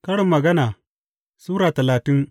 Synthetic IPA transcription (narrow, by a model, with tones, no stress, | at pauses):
kɐ˦ɽɪ˨mːɐ˨ɡɐ˦naː˨ | suː˦ɾaː˨tɐ˨laː˨tɪ˦ŋ